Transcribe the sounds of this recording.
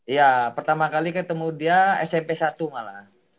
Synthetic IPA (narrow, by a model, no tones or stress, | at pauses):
japərt̪amakalikat̪əmudiaɛsɛmpesat̪umala̰h